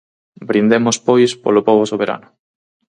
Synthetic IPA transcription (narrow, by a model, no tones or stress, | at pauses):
bɾind̪emospojspo̰lopoβosoβeɾa̰nʊ